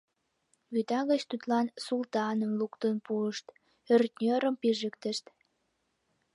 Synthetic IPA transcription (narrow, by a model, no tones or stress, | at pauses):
βyt̪ɑɣət͡ɕt̪ut̪lɑnsult̪ɑnə̆mlukt̪ənpuəʃt̪ | ørt̪nʲøɾəmpiʒəkt̪ə̆ʃt̪